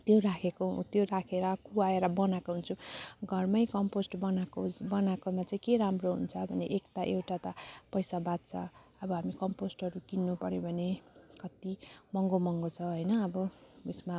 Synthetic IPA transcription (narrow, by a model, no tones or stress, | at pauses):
t̪jorakʰekot̪joɾakʰeɾʌkuwaeɾʌbʌnakoɦunt͡sʰuɡʱʌrmʌjkʌmposʈbʌnakobʌnakomat͡saĩkeɾamroɦṵnt͡sʰʌbʱʌneʔekt̪aʔewʈat̪apʌjsabat̪̚t͡sʰʌ̰ʌbʌɦamikʌmposʈʌɾukinːupʌɾjobʱʌnekʌt̪imʌŋɡomʌŋɡot͡sʰʌɦʌjnʌːbʌusma